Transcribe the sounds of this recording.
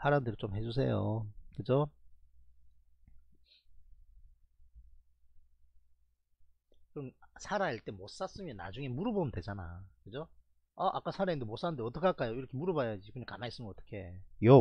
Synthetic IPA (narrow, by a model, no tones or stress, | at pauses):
sʰaɾandɯɾit͡ɕomhe̞d͡ʑus̬ʰe̞̰jo̰kɯd͡ʑo | kɯnsʰaɾaiɭt͈e̞mos͈as͈ɯmjʌna̰d͡ʑuŋe̞muɾɯbomɯndwe̞d͡ʑana̰kɯd͡ʑo | ʌʔa̰k͈asʰaɾaindemwos͈anɯndeʌt͈ʌkʰaɭk͈ajoiɾʌkʰemuɾɯbajad͡ʑikuɲakanais͈ɯmʌt͈ʌ̥kʰejo